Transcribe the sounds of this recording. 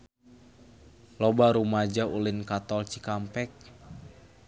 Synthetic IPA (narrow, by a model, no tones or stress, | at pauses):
lɔbaɾumad͡ʒaulinkat̪ɔlt͡ʃikampɛk̚